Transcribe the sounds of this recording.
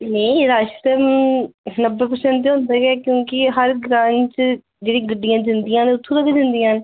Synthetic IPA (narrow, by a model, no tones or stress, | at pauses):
neiɾaːʃsɛːb | nəbːep̬əɾsɛ̃ːɳʈ̪eɦõːnd̪aːɡɛːkjõːkɪɦəɾɡɾãːɲt͡ʃ | d͡ʒeːɽĩːɡəɖːijãːd͡ʒ̪ɪnd̪ijãːneːʊt̪ʰːõːləɡed̪ɪnd̪ijãːne